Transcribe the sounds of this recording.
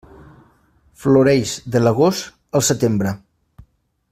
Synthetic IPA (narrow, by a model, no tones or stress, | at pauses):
fluɾɛjzd̪ələɣ̞ost̪ | əlˠsət̪embɾə